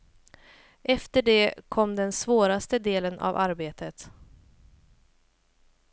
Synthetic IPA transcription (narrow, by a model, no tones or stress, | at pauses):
ʔɛft̪əɖɛkʰɔmd̪ɛnsvoːɾast̪əd̪eːlənʔa̰vaɾbeːt̪ət̪